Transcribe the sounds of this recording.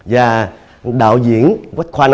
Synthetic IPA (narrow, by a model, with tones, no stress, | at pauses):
zaː˨˩ | ɗa̰ː˧˨wzḭ˧˨ənkwa˦˥k̟̚xwaː˧n